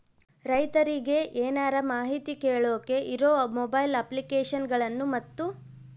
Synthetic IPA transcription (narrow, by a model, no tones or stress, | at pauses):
ɾɐjt̪ɐɾiɡe̞ʔeːnaːɾɐmaːɦit̪ikeːɭoːke̞ʔiɾoːmɔbɐjlɐplikeːʂɐnɡɐɭɐnːumɐt̪ːu